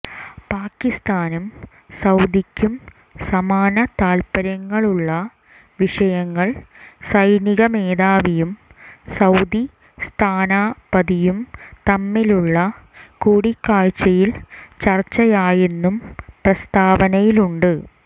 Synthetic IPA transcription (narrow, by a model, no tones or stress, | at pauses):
paːkːist̪aːnum | sɐwd̪ikʲːum | sɐmaːnɐt̪aːlpɐɾɐŋːɐɭuɭːɐ | ʋiʂɐjɐŋːɐɭsɐjniɣɐme̞ːðaːʋijumsɐwd̪i | st̪ʰaːnaːpɐðijumt̪ɐmːiluɭːɐ | kuːɽikːaːɻt͡ɕːɐjilt͡ɕɐrt͡ɕːɐjaːje̞nːumprɐst̪aːbɐnɐjiluɳɖɨ